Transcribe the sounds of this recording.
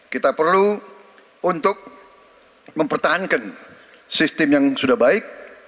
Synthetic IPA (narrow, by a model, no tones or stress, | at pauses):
kit̪apərlu | unt̪ʊk̚ | məmpərt̪aɦankan | sist̪ɪmjaŋsudahbaɪk̚